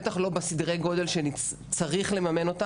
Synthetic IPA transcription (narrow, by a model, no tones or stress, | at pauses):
t̪aχlo̞besid̪ʁejɡo̞d̪e̞lʃeni | t͡saʁiχle̞mame̞no̞t̪a